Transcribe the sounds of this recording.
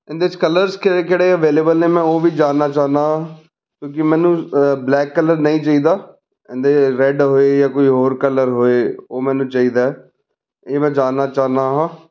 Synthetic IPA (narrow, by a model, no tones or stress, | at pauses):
ɪ̃nd̪eːʋɪt͡ʃkələɾzkeekɪɽeːəʋeːleːbəlneːmɛ̃ːoːʋiːd͡ʒaːnːaːt͡ʃaːɦnaːɦ | kjõːk̬ɪmɛ̃ːnũːblɛːkːələɾnəĩːt͡ʃaːiːd̪aː | ɪ̃nd̪eɾɛɖɦoːeːjaːkoːiːɦoːɾkələɾɦoːeːoːmɛ̃ːnũːt͡ʃaːiːd̪aːɛː | eːmɛ̃ːd͡ʒaːnːaːt͡ʃaːɦnaːɦãː